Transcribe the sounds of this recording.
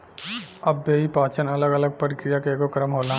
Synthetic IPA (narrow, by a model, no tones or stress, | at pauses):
ɐbːeːɦipaːt͡ʃənɐləɡələɡ̚pɾəɾɪkɾijakeːɡokɐɾəmɦoːlã